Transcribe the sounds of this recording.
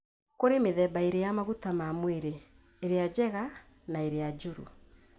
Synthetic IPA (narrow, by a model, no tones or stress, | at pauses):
koɾemeðɛbaeɾejamaɣutamamweɾeː | ɾead͡ʑɛɣa | naeɾead͡ʒoɾṵ